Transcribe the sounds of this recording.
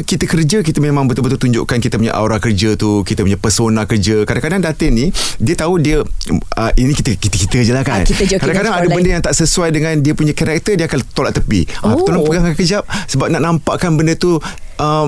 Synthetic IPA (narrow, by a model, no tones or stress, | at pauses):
kit̪əkərd͡ʒəkit̪əmemãŋbət̪ulbət̪ult̪uɲd͡ʒʊ̰ʔkankit̪əpuɲa̰ʔa̰uɾahkərd͡ʒət̪ukit̪əpuɲapərsonãkərd͡ʒəkadãŋkadaŋdat̪ənidiət̪audiəəʔinikit̪əkit̪əkit̪əkəd͡ʒəlakanikaddaŋkadaŋadəbəndəjaŋt̪aʔsəsuajdəŋãndiəpuɲakaɾak̚t̪ərdiəakalt̪olaʔt̪əpḭʔat̪olapəɡaŋkəd͡ʒap̚səbap̚naʔnampaʔkanbəndət̪uʔə